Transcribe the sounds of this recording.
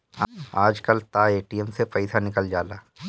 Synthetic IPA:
aaːd͡ʒkəlt̪aeːʈijəmsepɐɪsanɪkəld͡ʒaːlaː

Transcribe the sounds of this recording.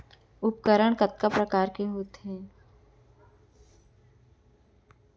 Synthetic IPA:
ʊp̚kəɾəɳ̃kɐt̪̚kapɾəkaːɾkeɦoːt̪ɦɛ̃ː

